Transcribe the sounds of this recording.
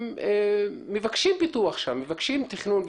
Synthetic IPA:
eːevakʃimpit̪uaχʃamːevakʃimt̪iχnunv

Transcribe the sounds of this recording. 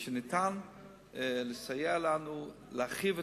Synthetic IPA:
ʃenitan | lesajealanu | leaχive

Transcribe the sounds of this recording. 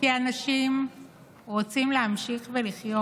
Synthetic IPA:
ianaʃim | ʁot͡simleamʃiχve̞liχjo

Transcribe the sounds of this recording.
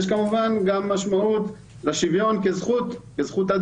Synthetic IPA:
ʃkamuvanɡamːaʃmaut̪ | laʃivjo̞nkezχut̪kezχut̪ad̪

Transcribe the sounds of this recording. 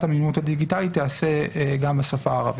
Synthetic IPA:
tamimut̪had̪iɡit̪alit̪ːease̞ɡambesafaːʁa̰v

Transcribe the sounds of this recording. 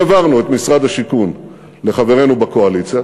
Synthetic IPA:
vaʁnuet̪misʁad̪haʃikun | le̞χave̞ʁe̞nubakoalit͡sja

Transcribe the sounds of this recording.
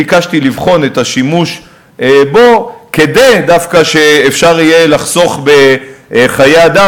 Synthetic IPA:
ikaʃt̪ilivχo̞net̪aʃimuʃ | bo̞ke̞d̪ejd̪afkaʃe̞ːfʃaʁijelaχso̞χbe̞χajead̪a

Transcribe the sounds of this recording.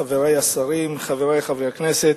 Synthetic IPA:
aveʁejasaɾimχaveɾejχaveʁknɛset

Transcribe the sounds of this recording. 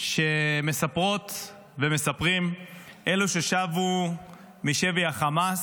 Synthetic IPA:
ʃe̞me̞sapʁo̞t̪ | veme̞sapʁimʔeluʃeʃavu | miʃeviaχamas

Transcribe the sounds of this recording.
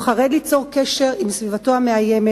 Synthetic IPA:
χaʁed̪lit͡so̞ʁkeʃe̞ʁimsvivatoameajeme

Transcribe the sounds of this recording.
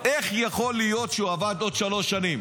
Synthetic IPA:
ʔe̞χjaχo̞lijo̞t̪ʃeuavad̪o̞d̪ʃalo̞ʃanim

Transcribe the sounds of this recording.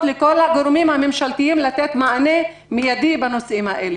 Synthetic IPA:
leko̞laɡoɾmimhame̞mʃalt̪iimlat̪et̪maʕane | mijad̪ibanosʔimhaʔele

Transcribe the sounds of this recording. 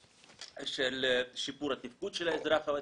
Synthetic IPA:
ʃelʃipuɾat̪ifkut̪ʃelaezɾaχama

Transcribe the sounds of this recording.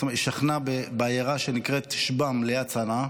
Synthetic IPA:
omʃaχnabebeajeʁaʃenikʁet̪ʃbamlejat͡sana

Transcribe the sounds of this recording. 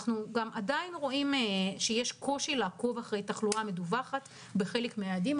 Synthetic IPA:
χnuɡamʔadainʁo̞ʔimʃejeʃko̞ʃilaːko̞vaχʁe̞jtaχluame̞duvaχat | be̞χe̞lekmeadim

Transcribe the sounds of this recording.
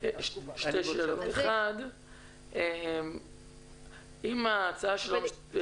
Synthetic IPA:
ʃt̪ejʃeːlot̪eχad | ʔem | imaːt͡saaʃelam

